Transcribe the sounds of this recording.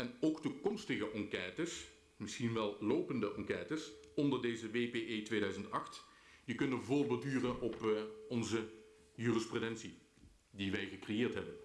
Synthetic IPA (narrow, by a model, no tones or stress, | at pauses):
ɛnowktukɔmstəɣəʔɑŋkɛːtəs | mɪsχinʋɛlˠlowpəndəʔɑŋkɛːtəsɔndəɹdejzəʋejpeʔeːtʋejdœɥzəntɑχt | jəkɵndəvʊlblˠdyːrənɔpɔnzə | jyːrəsprudɛnsi | diʋɛjɣəkrejɪːɹtɦɛbən